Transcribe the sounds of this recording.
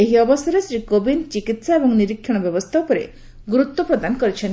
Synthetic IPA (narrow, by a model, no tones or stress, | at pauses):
eɦiɔbɔsjɔɾesɾikobint͡ʃikit̪saebɔŋniɾikʰɔɽ̃ɔbjɔbɔst̪ʰawpɔɾḛ | ɡɾut̪ːɔpɾɔd̪anɔkɔɾit͡ʃʰɔn